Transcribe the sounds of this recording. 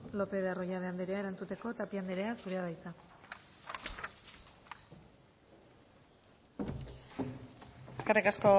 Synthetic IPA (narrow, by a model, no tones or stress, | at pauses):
lo̞pe̞ðaro̞jaðeand̪eɾeaeɾant͡sut̪e̞ko̞t̪apiand̪eɾeasuɾeaβajt̪a | eskarikasko